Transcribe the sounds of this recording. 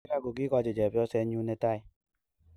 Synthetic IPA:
ka˦˨ɡo˨ki˦kɔ˦d͡ʒe˨d͡ʒɛ˨pjɔ˦sɛ˦ɲu˦ne˨ta˦˨i˨

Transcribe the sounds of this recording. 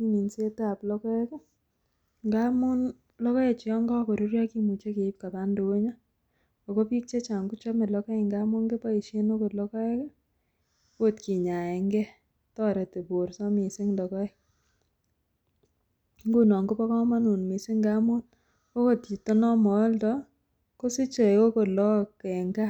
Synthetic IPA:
i˦ɲi˨nse˦ta˨plɔ˦kɔ˦ɛ˦kɛ˦ | ŋɡa˦mu˦n | lɔ˦kɔ˦e˨t͡ʃi˨ɔ˦ŋɡɔ˦ko˨ɾu˦ɾja˦ki˦mu˨t͡ʃe˦ke˨i˦p̚ka˨pa˦ndu˨we˦ɲa˦ | o˨ko˦pi˦k̚t͡ʃe˦t͡ʃa˨ŋɡu˦t͡ʃɔ˦me˨lɔ˦kɔ˦e˦˨ŋɡa˦mu˦ŋɡe˦pa˦i˨ʃe˦no˦ko˨tlɔ˦kɔ˦ɛ˦kɛ˦ | o˦tki˨ɲa˨ɛ˨ŋɡɛ˦ | tɔ˦ɾe˨te˨bo˨ɾsɔ˦mi˨sɪ˦ŋdɔ˨kɔ˦ɛ˦ | ŋɡu˦nɔ˨ŋɡo˦pɔ˦kɔ˦ma˦nu˨nmi˨sɪ˦ŋɡa˦mo˦n | ko˦ko˨tki˨to˦nɔ˦mɔ˨˦ltɔ˦ | ko˦si˦t͡ʃo˨o˦ko˨lɔ˦kɛ˨ŋɡa˦

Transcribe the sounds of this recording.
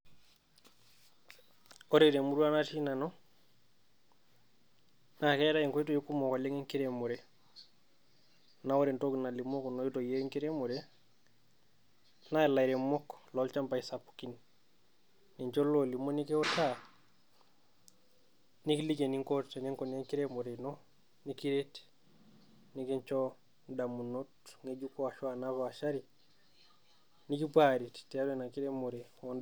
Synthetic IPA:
oɾeɾe˨mu˦ɾu˦a˦na˦ti˦na˨nɔ | na˨ke˦ɾa˦i˨ŋko˦jito˨jo˦ku˦mo˨ka˨le˦ŋe˦ŋki˦ɾe˨mo˨ɾe | nao˦ɾe˨ntokna˨li˨mo˦kono˦jito˨je˦ŋki˦ɾe˦mo˨ɾe | na˨la˨iɾe˨mɔ˦klɔlt͡ʃa˦mpa˨isapu̥kin | i˨ɲt͡ʃo˦loli˨mo˦ni˦keɔta | nikilike˨niŋkoɾt͡ʃa˨ne˦ŋko˨ne˦ŋki˦ɾemo˨ɾe˨nɔ | niki˦ɾet | nike˦ɲt͡ʃo | damunotŋeɟukɔ˦a˨ʃɔ˦anafaaʃaɾi | nikipaɾiti̥ti˨a˦ɾna˨ki˦ɾemo˨ɾewɔn

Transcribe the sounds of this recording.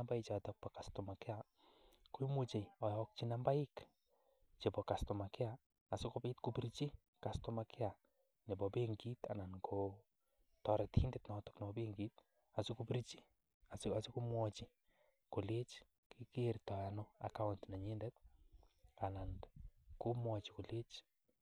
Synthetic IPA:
amba˦jt͡ʃatɔk̚pɔ˨ka˨stɔ˨ma˨kɪ˦a | ku˦i˦mut͡ʃe˨jɔ˨jɔk̚t͡ʃina˦mba˦ɪ˦k | t͡ʃe˨bɔka˨stɔ˨ma˨kɪ˦aː˨ | si˦ko˦pe˦tku˨piɾit͡ʃi˦ | kastɔmakʰɪ˦a˨ | ne˨bɔbeŋɡita̰˨na˨nkʰo | tɔ˨ɾɛti˦ndɛ˨tnɔtɔ̥kne˨bɔbe˦ŋɡit | a˨si˦kupi˦ɾt͡ʃi˦ | asasi˦ku˦mwɔt͡ʃi˨ | ko˨le˦t͡ʃ | ki˦keɾtɔ˨anɔa̰˨ka˦ʊntna˨ɲe˦ndɛt | a˨na˨nku˦mwɔt͡ʃi̥˨ko˨le˦t͡ʃ

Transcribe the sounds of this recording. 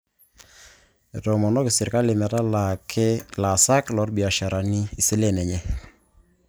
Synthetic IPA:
ɛ˨tɔ˨mɔ˨nɔ˦kɪ˨sɪ˨ɾka˦lɪ˨mɛ˨ta˦la˨kʰɛ˦la˨sa˦klɔ˨˦ɾbi˨a˨ʃa˨ɾa˨ni˦i˨sɪ˦lɛ˦˨nɛ˨ɲɛ˦

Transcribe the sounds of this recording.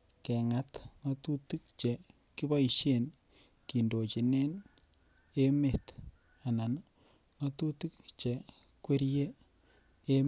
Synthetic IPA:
kɛ˨ŋa˦tma˦tu˦tu˦k̚t͡ʃe˨ | ki˦ba˦i˨ʃe˨n | ki˨ndo˨t͡ʃi˨ne˦n | e˦me˨t | a˨na˨n | ma˦tu˦tɨ˦k̚t͡ʃe˨ | kwe˦ɾje˦ | e˦m

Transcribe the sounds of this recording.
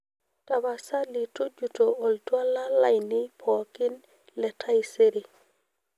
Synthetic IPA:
ta˨ba˨sa˦li˨to˦d͡ʒu˨to˨ɔ˨ltwa˦la˦la˦jni˦pʰɔ˨ki˦n | lɛ˨tʰa˦ise˦ɾi˨

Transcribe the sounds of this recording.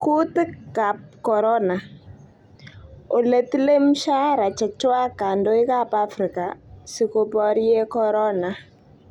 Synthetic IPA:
ku˦tɪ˦kːa˨p̚kɔ˨ɾɔ˦na˨ | o˨le˨ti˦le˦m˦ʃa˦ɾa˨t͡ʃɛ˨t͡ʃwa˦ka˨ndo˦i˦ka˦pa˦fɾi˨ka˨si˨˦ko˦pɔ˦ɾje˦kɔ˦ɾɔ˦na˨

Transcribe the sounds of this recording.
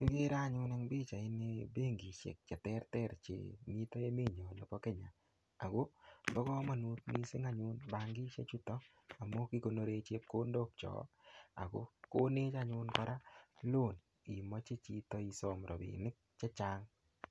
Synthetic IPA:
i˦ɡe˦ɾa˦˨ɲʊ˦nɛ˦ŋbi˦t͡ʃa˨ɪ˦ne˦be˦ŋɡi˨ʃɛ̰˨k̚t͡ʃɛ˨tɛ˦ɾtɛ˦ɾt͡ʃḛ˨mi˦tɔ˦e˦me˦˨ɲo˨no˨kɔ˦ke˦ɲa˨ | a˨ɡo˦ɡɔ˦ɡɔ˦ma˨nu˦t̪mḭ˦sɪ̰˦ŋa˦ɲʊ˦nba˦ŋɡɪ˦t͡ʃḛ˦t͡ʃu˦tɔ˦ | a˨mɔ˦ki˦ko˨no˦ɾe˦t͡ʃe˦p̚ko˦ndo˦pt͡ʃɔ̰˨˦a̰˨ɡo̰˦ko˦ne˦t͡ʃa˨ɲʊ˦nkɔ˦ɾʔa˦lo˦˨n | i˨mɔ˦t͡ʃe˦t͡ʃi˦tɔ˦i˧sɔ˨mɾɔ̰˨bḭ˨nɪ˦k̚t͡ʃe˦t͡ʃa˦ŋ

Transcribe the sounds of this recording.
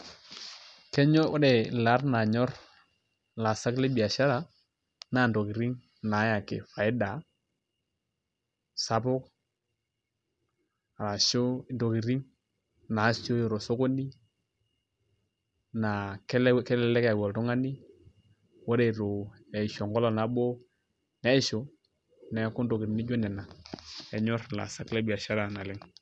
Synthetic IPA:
kɛ˦ɲɔ˦ɾe˨la˨˦rna˨ɲɔ˦ɾ | la˨sa˦kle˦bi˨a˨ʃa˦ɾa˨ | na˨ndo˨ki˨ɾi˦ŋ | na˨˦ja˨kḛ˨fa˨ɪ˦da˨ | sa˦pʊ˦k̚ | a˨ɾa˨ʃo˦˨ndo˨ki˨ɾi˦ŋ | na˨˦ʃo˦jɾo˨so˦ko˦ni˦ | na˨kɛ˦lkɛ˦lɛ˦lɛ˦ka˨ɡɔ˨lto˦ŋa˦ni˦ | wo˦ɾe˨ɾo˨ | e˨ʃo˨ŋɡo˦lo˨na˨˦bo˦ | nɛ˦ʃo˨˦ | nɛ˨˦ku˦ndo˨ki˨ɾi˨ni˦ɟo˦nɛ˨na˨e˨ɲo˦ɾla̰˨sa˦kle˦bi˨a˨ʃa˦ɾa˦˨na˨lɛ˦ŋ

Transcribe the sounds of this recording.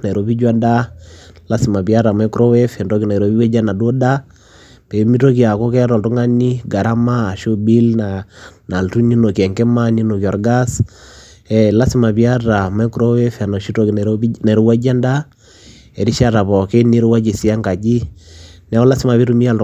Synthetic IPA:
na˨ɛ˨ɾo˨bi˦d͡ʒwa˦nda˦la˦si˨ma˨bi˨a˦ɾa˨mɛ˦ku˦ɾo˦wɛ˦fɛ˨ndɔ˦ki˨na˨ɾo˨bi˦we˦d͡ʒa˦na˨do˦da˦ | pe˨mi˦to˦ki˨a˨ko˦kɛ˦a˦ɾɔ˨ltu˦ŋa˦ni˦ɡa˨ɾa˦maː˦˨ʃo˦bi˦lna˨na˨ltu˦ni˦no˨kɛ˨ŋkɛ˦ma˦ni˦no˨ki˨ɔ˨ɾɡa˦s | ɛ˨la˦si˨ma˨bi˨a˦ra˨mɛ˦ku˨ɾo˦wɛ˦fa˨na˨ʃi˦to˦ki˨na˨ɾo˦wa˦d͡ʒa˦nda˦ | ɛ˨ɾi˦ʃa˦ɾa˨pɔ˨ke˦ni˦ɾo˦wa˦d͡ʒi˨si˨˦a˦ŋɡa˨d͡ʒi˦nɛ˦ɔ˦la˦si˦ma˨pi˦ɾu˦mi˦a˨l

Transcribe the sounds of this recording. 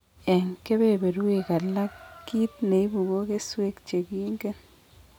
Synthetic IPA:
ɛ˨ŋke˦be˦be˨ɾu˦e˦ka˨la˦kːi˦t̪̚ne˨i˦bu˨ɡo˦ke˦swe˦kt͡ʃe˨ki˦ŋɡe˦n

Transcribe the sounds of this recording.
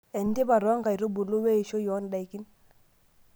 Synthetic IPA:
ɛ˨n˦di˦ba˨ɾɔ˦ŋɡa˨i˨ɾo˦bu˨lu˦we˦i˨ʃo˦jɔ˦n˨da˨i˨ki˦n

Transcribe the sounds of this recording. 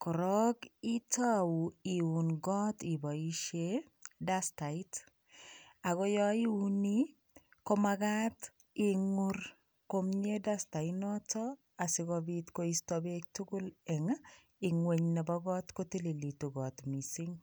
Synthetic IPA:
kʊ˨ɾɔ˦ɡi˦ta˦wu˨i˨u˨nɡɔ˦ti˨bɔ˨i˦ʃe˦ | da˦sta˨ɪ˦t | a˨ɡɔ˦jɔ˦i˦u˦ni˦ | ko˦ma˧ɡa˦t | ɪŋʊr | ko˦mɲe˦da˦sta˨ɪnɔ˦tɔ˦ | a˨sɪ˧ɡɔbit̪koi˦stɔbe˦k̚tu˦ɡʊ˦lɛ˨ŋa | ɪ˨ŋwe˨ɲnɛ˨bɔ˦ɡɔ˦t̪ko˦te˦le˨li˨tu˨ɡɔ˨t̪mi˨si˦ŋ

